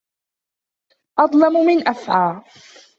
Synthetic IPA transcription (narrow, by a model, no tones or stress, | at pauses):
ʔɑd̪ˤlɑmʊmɪnʔafʕaː